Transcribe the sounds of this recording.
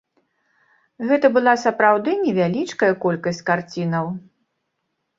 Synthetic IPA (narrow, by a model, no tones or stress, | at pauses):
ɣɛt̪ɐbɨlˠasɐpɾawd̪ɨnʲɛvʲalʲit͡ʂkɐjɐkɔlʲkɐsʲt͡sʲkart͡sʲinɐw